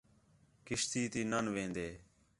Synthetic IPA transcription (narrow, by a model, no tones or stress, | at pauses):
kɪʃt̪iːt̪iːnənʋẽːnd̪eː